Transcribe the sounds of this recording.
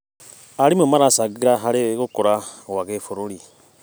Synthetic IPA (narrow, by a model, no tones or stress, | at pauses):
aɾimemaɾasaɣiɾaɦaɾeɣokoɾawaɣefoɾoɾi